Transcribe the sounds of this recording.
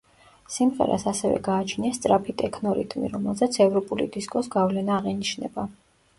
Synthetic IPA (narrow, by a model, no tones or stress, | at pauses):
simʁɛ̰ɾʔa̰sasɛvɛ̰ɡaːt͡ʃʰniast̪sʼɾapʰit̪ʼɛkʰnɔɾḭt̪ʼmḭɾɔmɛlˠzɛt̪sʰɛvɾɔpʼulḭd̪iskʼɔsɡavlɛnaːʁɛniʃnɛ̰ba